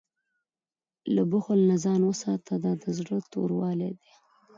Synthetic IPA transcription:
ləbʊxʊlnazɑnwəsɑt̪ʰad̪ɑd̪əzɽət̪o̰ɾwɑled̪e

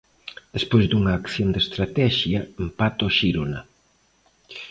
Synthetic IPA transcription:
d̪espojzd̪uŋɐːkθjond̪est̪ɾat̪ɛʃjɐempat̪oʃiɾona

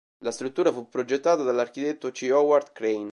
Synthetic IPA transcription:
last̪ɾut̪ːuːɾafupːɾod͡ʒet̪ːaːt̪ad̪alːark̟it̪et̪ːot͡ʃiɔward̪kɾejn

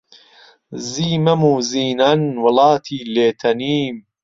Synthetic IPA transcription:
ziːmɐmuːziːnɐnwɐlɑːt̪ʰiːleːt̪ʰɐniːm

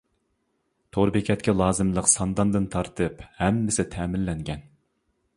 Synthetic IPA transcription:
t̪ʰoɾbɪkʲʰɛt̪kʲʰɛlˠɑːzɨmlˠəqsɑnd̪ɑnd̪ɨnt̪ʰɑɾt̪ʰɨphɛmːɪsɪt̪ʰɛmɪlːɛŋɡʲɛn

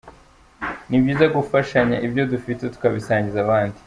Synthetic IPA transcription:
nibɟiːzaɡufaʃaɲaʔibjo̞dufite̞tu̥kaβisaːɲɟizaβaːndi

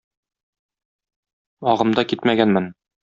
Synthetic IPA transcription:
ɒʁɤ̆md̪ɑkit̪mæɡænmɘn

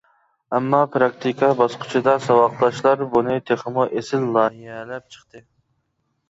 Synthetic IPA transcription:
ɛmːɑpʰɾɑk̚t̪ʰikʰɑbɑsqʰʊ̥t͡ʃʰid̪ɑsɑwɑqlˠɑʃlˠɑɾbunɨt̪ʰeχəmuʔesɪlːˠɑiɛlɛp̚t͡ʃʰə̥χt̪ɨ

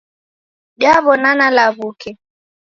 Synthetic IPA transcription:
ɗjaβɔnanalaβukɛ

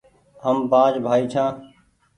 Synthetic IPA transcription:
ɦəmbaːd͡ʒbʱaːiːt͡ʃʰãː

